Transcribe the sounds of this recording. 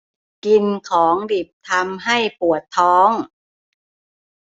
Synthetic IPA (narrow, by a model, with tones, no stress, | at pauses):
ki˧nkʰɔː˩˦ŋdi˨˩p̚t̪ʰa˧mɦa˥˩jpu˨˩ət̪ʰːɔː˦˥ŋ